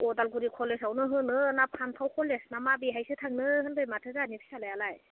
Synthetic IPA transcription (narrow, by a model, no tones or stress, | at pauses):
ɔdalɡuɾikʰɔlesawnɯɦɯnɯnapʰantʰawkʰɔlesnamabiɦajsɯtʰaŋnɯhɯnbɯjmatʰɯzanipʰi̥salajalaj